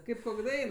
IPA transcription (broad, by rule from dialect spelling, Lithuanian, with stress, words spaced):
ˈkɐɪp ˈkoːkʲ ˈdɐɪn